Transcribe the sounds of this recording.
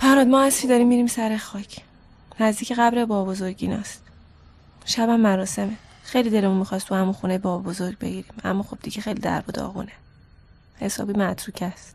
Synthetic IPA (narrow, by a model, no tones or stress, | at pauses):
fæɾɾɒːd̪̚mɒːæsfiːd̪ɒːɾiːmːiːɾiːmsæɾexɒːcʰ | næzd̪iːcʰeɣæbɾebɒːbo̞zoɾɟiːnɒ̰ːst̪ | ʃæbæmːæɾɒːse̞mexejlid̪e̞lemunmixɒːst̪ʰuhæmunxunejebɒːbozo̞ɾɟ̚be̞ɡiːɾiːmæ̰mːɒːxo̞b̚d̪iɟexe̞jliːd̪æ̰ɾbod̪ɒ̰ɣṵːne | he̞sɒ̰ːbiːmæt̪ʰɾuːcʰæst̪